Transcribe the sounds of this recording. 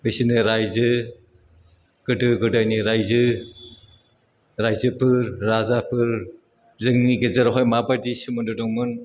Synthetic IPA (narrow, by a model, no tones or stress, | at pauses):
bɯsinɯɾajzɯ | ɡ̥ɯdɯɡɯdaniɾajzɯ | ɾajzɯpʰɯɾːazapʰɯɾ | zɯŋniɡezɯɾɔɦɔjmabadisimɯndɔdɔŋmɯn